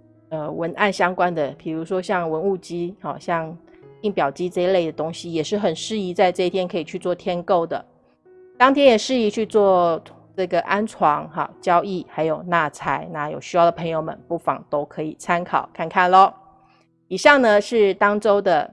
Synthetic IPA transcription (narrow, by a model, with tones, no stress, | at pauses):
ə˧wə˧˥nʔa̰˥˩nɕjɑ˥ŋkwa˥nd̪ə˨pʰi˨˩ɻu˧˥ʂwɔ˥ɕjɑ˥˩ŋwə˧˦˥nu˥˩t͡ɕi˥xɑ̰˥˨˩ɕjɑ˥˧ŋt̪i˥˩ŋpjɑ˨˩ʊt͡ɕi˥ʈ͡ʂɤ˥˧le˥˩ɪd̪ə˩t̪o˥ŋɕi˨jɛ˨˩ʂɻ̩˥˩xə˨˩nʂɻ̩˥˩i˧˥t͡sa˥˧ɪʈ͡ʂɤ˥˧i˥t̪ʰjɛ˥nkʰɤ˧˥i˨˩t͡ɕʰy˥˧t͡swɔ˥˩t̪ʰjɛ˥nko˥˩ʊd̪ə̰˩ | t̪ɑ˥ŋt̪ʰjɛ˥njɛ˨˩ʂɻ̩˥˩i˧˥t͡ɕʰy˥˧t͡swɔ˥˧ | ʈ͡ʂɤ˥˩ɡə˩ʔa˥nʈ͡ʂʰwɑ˧˥ŋɑ̰˨˩t͡ɕjɑ˥ʊi˥˩xa˧˥ɪjo˨˩ʊna˥˩t͡sʰa˧˥ɪna˥˩jo̰˨˩ʊɕy˥jɑ˥˩ʊd̪ə˩pʰɤ˧˥ŋjo˧ʊmə̰˨npu˥˩fɑ̰˨˩ŋt̪o˥ʊkʰɤ˧˥i˨˩t͡sʰa˥nkʰɑ̰˨˩ʊkʰa˥˧nkʰa˥˩nlɔ˧˦ | i˨˩ɕɑ˥˩ŋnə˨ʂɻ̩˥˩t̪ɑ˥ŋʈ͡ʂo˥ʊd̪ə˨